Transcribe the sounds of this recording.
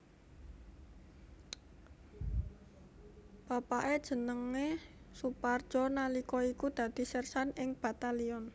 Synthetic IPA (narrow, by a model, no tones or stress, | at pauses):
b̥a̤paʔed̥ʒ̥ə̤nəŋe | supard̥ʒ̥ɔ̤nalikɔikud̪̥ä̤d̪̥i̤sərsanɪŋb̥a̤t̪aliɔn